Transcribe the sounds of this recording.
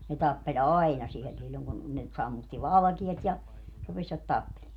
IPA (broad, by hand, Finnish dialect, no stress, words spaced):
ne tɑpːelʲ ɑinɑ siel silːoŋ kun ne sɑmːutːi ʋɑlɑ̆kiɛt jɑ rupesʋɑt tɑpːeleː